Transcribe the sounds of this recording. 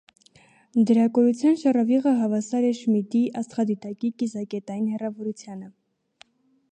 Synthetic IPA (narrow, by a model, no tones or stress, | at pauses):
d̪əɾɑkɔɾut͡sʰjɑnʃɑrɑviʁəɦɑvɑsɑɾɛʃmid̪iʔɑst̪χɑd̪it̪ɑkikizɑkɛt̪ɑjinhɛrɑvɔɾut͡sʰjɑnə